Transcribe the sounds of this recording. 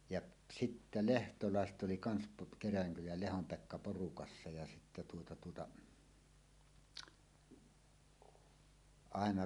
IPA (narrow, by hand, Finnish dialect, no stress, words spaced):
jɑʔ sitːæ lehtolɑˑeset ʔoli kɑns po kerælæŋkylæj jɑ lehom pekːɑ porukɑsːɑ jɑ sitːæ tuotɑ tuotɑ ɑˑenɑ